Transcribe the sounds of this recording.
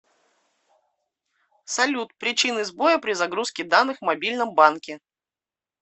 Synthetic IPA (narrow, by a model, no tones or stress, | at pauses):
sɐlʲut̪̚pɾʲɪt͡ɕinɨzbo̞jəpɾʲɪzɐɡɾuskʲɪd̪anːɨxvmɐbʲilʲnəmbankʲɪ